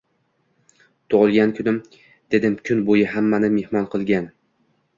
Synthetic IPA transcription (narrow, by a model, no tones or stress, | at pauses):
t̪ʰoʁɨlˠɡʲankʲʰʊnɪm | d̪̥e̞d̪ɪmkʲʰʊnbojɪɦamːanɪme̞hmɒnqʰɨlˠɡʲan